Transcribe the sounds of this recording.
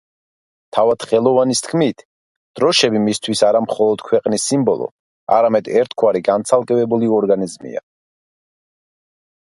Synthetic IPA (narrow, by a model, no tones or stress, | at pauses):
t̪ʰavad̪̥χɛlˠɔvanist̪ʰkʰmit̪ʰ | d̪̥ɾɔʃɛbimist̪ʰwisaɾamχɔlˠɔd̪̥kʰwɛqʼnisːimbɔlˠɔ̰ | a̰ɾamɛd̪ɛɾt̪ʰkʰwaɾiɡant̪sʰalˠkʼɛvɛbuliɔɾɡanizmḭa̰